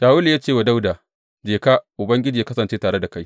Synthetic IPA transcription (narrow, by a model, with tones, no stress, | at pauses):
ʃaː˨wʊ˦ljaː˦t͡ʃeː˦˨wa˨da˦wdaː˨ | d͡ʒeː˨kaː˦ʔʊ˨bɐ˦ŋɡʲɪ˦d͡ʒiː˨ja˦kɐ˦sɐ˨nt͡ʃeː˦taː˨ɽe˦da˨ka˦j